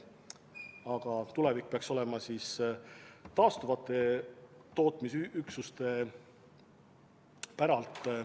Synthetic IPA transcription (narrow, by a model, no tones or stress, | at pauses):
ɑɡ̥ɑt̪ule̞vik̚ːpeɑkso̞lɛ̞mɑsis | t̪ɑːst̪uvɑt̪ːˑe̞t̪o̞ːt̪misyksust̪e̞ | pæɾɑlt̪ˑ